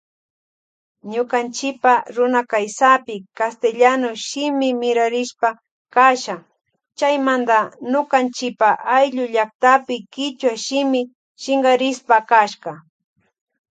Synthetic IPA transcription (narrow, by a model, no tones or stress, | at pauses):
ɲokant͡ʃɪpaɾʊnakajsapɪkast̪eʎanoʃɪmɪmɪɾaɾɪʃpa | kaʃa | t͡ʃajmand̪anokant͡ʃɪpaʔajʎʊʎakt̪apɪkɪt͡ʃwaʃɪmɪ | ʃɪŋɡɢɑɾɪspakaʃɢɑ